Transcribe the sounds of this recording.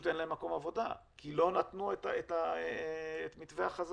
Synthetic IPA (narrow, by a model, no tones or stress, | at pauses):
t̪enlaemːako̞mavo̞da̰ | kilo̞nat̪nuetaeta | etmit̪veaχaz